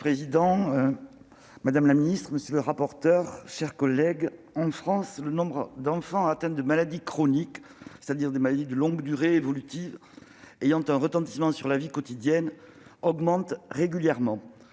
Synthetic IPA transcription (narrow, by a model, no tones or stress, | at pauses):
pχezid̪ɑ̃ | mad̪amlaminist̪χəməsjələʁapɔʁt̪œʁʃɛʁkɔlɛɡ | ɑ̃fχɑ̃slənɔ̃bʁəd̪ɑ̃fɑ̃at̪ɛ̃d̪əmalad̪ikχɔnik | se̥t̪ad̪iʁd̪emalad̪id̪əlɔ̃ɡd̪yʁeevɔlyt̪ivejɑ̃t̪ɛ̃ʁət̪ɑ̃t̪i̥smɑ̃syʁlavikɔt̪id̪jɛn | ɔɡmɑ̃t̪ʁeɡʲyljɛʁmɑ̃